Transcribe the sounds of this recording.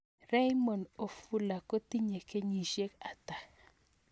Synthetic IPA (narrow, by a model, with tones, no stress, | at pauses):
ɾɛ˦jmo˨no˨fu˦la˨ko˦ti˦ɲe˨ke˦ɲi˨ʃje˦ka˨ta˨